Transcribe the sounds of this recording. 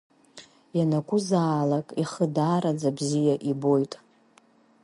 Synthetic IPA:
janakʷʼʊzaːlakʼiχədaːɾad͡zabzijaʔibo̞jtʼ

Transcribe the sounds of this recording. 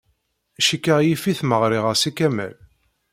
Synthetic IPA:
ʃikːəʁjifiθməʁɾiʁəsikæmæ̰l

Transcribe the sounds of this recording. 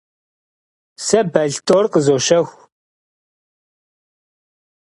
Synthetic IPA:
sɐbɐɮtʰoːrqəzoːʃɐxʷ

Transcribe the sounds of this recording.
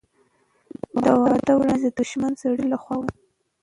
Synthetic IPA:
d̪awɑt̪awɾɑnzd̪əd̪uʃmansaɽilaxwɑwa

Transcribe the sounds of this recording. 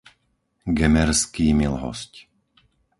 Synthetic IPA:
ɡɛmɛɾskiːmilɦɔ̰sc

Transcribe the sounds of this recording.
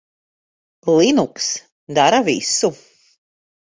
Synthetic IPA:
lˠinuks | d̪aɾavḭsu

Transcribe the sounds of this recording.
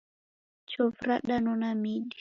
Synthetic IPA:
t͡ʃɔvɾaɗanɔnamiɗi

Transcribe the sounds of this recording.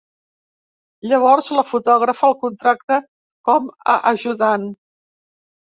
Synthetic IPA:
ʎəβ̞ɔɾzləfut̪ɔɣɾəfəlˠkunt̪ɾak̚t̪ə | kɔmə̰ʔəʒuðan

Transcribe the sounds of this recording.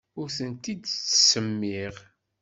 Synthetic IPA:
ʊɾθənt̪id̪t͡sːə̥səmːiʁ

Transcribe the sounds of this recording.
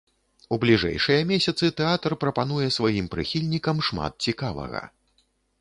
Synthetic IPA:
ublʲiʐɛ̰jʂɨjɐmʲesʲɐt̪sɨt̪ɛat̪ɐrpɾɐpan̪ujɛsvajimpɾɨ̰xʲilʲnʲikɐmʂma̰t̪̚t͡sʲikavɐ̰ɣɐ̰

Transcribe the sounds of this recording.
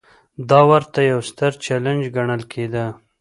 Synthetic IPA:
d̪ɑwaɾt̪ajawst̪əɾt͡ʃaland͡ʒɡaɳəlkʰed̪ə

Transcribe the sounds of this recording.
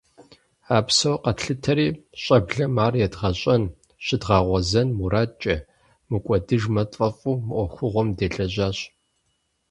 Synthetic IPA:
aːpsɐwqɐtɬɨtʰɐɾiːɕʼɐbɮɐmaːrjɛdʁɐɕʼɐn | ɕʼɪdʁɑːʁʷɔzɐnmuɾaːt͡ʃʼɐ | mɨkʷʼɔdɨʒmɐtʼɐfʼuːmɨʔʷɔxʷʊʁʷɔmdeːɬʼɐʑaːɕ

